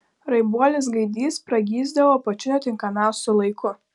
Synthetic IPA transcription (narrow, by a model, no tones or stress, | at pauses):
ɾɐɪbuɔlʲɪs̬ɡɐɪd̪ʲiːspɾɐɡʲiːzd̪ɐʋoːpɐt͡ʃʲʊnʲɛt̪ʲɪŋkɐmʲɛʊsʲʊlˠɐɪkʊ